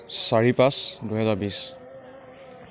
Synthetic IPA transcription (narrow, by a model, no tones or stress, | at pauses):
saɹipasduɦɛzabis